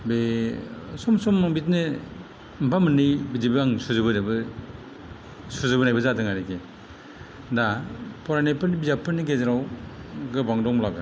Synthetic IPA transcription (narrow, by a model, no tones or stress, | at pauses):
be | sɔmsɔmbitnɯ | mbʰamɯnːɯjbidibɯaŋsuzɯbɯnbɯ | sɔzɯbɯnajbɯzadɯŋaɾekʰe | dapʰɔɾanajpʰɯɾnibizapʰɯniɡezaɾawɡɯbaŋdɔŋlabɯ